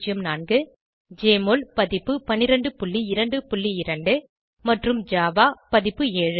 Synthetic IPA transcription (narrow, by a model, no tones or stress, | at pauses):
d͡ʒɪjɯmnaːnɡɯ | d͡ʒeːmoːlpɐðɪpːɯpɐnːɪɾɐɳɖɯpʊɭːiɪɾɐɳɖɯpʊɭːiɪɾɐɳɖɯ | mɐʈrɯmd͡ʒaːʋaːpɐðɪpːɯeːɻɯ